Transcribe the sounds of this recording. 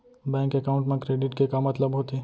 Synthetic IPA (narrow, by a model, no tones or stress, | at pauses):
bɛ̃ːŋkɛkaʊ̃ɳʈmẽkɾeːɖɪʈkekamɐt̪ləbɦoːt̪i